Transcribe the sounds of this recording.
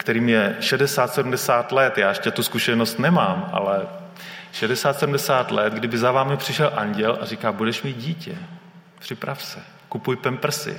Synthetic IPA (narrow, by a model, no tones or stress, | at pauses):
kt̪ɛɾiːmjɛʃɛdɛsaːt̪sɛdumdɛsaːt̪lɛt̪jaːʃcɛt̪uskuʃɛnost̪nɛmaːmʔa̰lɛ | ʃɛdɛsaːt̪sɛdumdɛsaːt̪lɛt̪ɡdɪbɪzavaːmɪpr̝̥ɪʃɛlʔaɲɟɛlʔa̰rikaːbudɛʃmiːt̪̚ɟiːcɛ | pr̝̥ɪpɾafsɛ | kupujpɛmpr̩sɪ̰